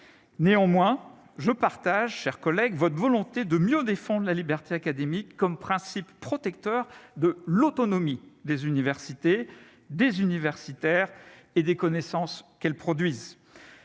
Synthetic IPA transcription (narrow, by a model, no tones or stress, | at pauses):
neɑ̃mwɛ̃ | ʒəpaʁt̪aʒʃɛʁkɔlɛɡvɔt̪χvɔlɔ̃t̪ed̪əmjød̪efɑ̃d̪ʁəlalibɛʁt̪eakad̪emikːɔmpχɛ̃sipːχɔt̪ɛk̚t̪œʁd̪əlɔt̪ɔnɔmid̪ezynivɛʁsit̪e | d̪ezynivɛʁsit̪ɛʁ | ed̪ekɔnesɑ̃skɛlpχɔd̪ɥiz